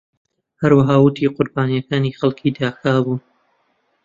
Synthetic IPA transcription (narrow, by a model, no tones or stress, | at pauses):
hɐɾwɐɦaːwʊt̪ʰiːqʰʊɾbaːnijɐkaːniːxɐlˠkʰiːd̪aːxaːbuːn